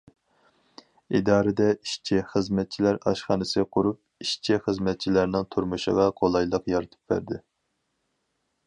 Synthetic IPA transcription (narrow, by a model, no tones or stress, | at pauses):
id̪ɑːɾɨd̪ɛiʃt͡ʃʰɪχəzmɛt̪̚t͡ʃʰilæɾɑ̰ʃχɑːnɨsɪqʰʊɾup̚iʃt͡ʃʰiχəzmɛt̪̚t͡ʃʰilæɾnɪŋt̪ʰuɾmuʃə̰ʁɑqʰolˠɑjlˠəqjɑɾɨt̪ʰɨ̥p̚bæ̰ɾd̪ɪ